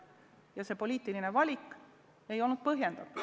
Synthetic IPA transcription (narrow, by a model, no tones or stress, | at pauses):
jɑse̞po̞lʲiːt̪ːˑiline̞vɑlʲikːˑ | e̞jo̞lnud̪̥̚pɤɦje̞nd̪̥ɑt̪ː